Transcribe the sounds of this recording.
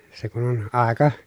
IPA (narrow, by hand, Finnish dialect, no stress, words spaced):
se kun on ɑˑekɑ